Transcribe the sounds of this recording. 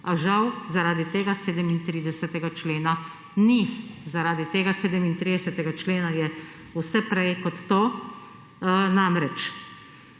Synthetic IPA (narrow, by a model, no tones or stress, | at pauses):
aʒawzaɾaːd̪it̪eːɡaseːd̪ɛmint̪ɾiːd̪ɛsɛt̪ɛɡat͡ʃleːna | nizaɾaːd̪it̪eːɡaseːd̪ɛmint̪ɾiːd̪ɛsɛt̪ɛɡat͡ʃleːnajɛ | usɛpɾɛjkɔt̪ːoː | namɾɛt͡ʃ